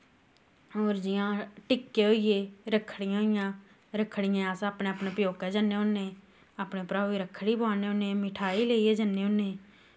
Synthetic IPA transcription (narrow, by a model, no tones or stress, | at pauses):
oːɾd͡ʒɪjãːʈɪkːeːɦoːieːɾəkʰːɽɪjãːɦoɪjãː | ɾəkʰːɽɪjãːaːsaːpɳẽːəpneːpjoːkɛːd͡ʒaneːɦoːnːeː | aːpneːpɾaːʋiːɾəkʰːɽiːbãːneːonẽːmɪʈʰaːiːleːieːd͡ʒənːeːɦõnːẽː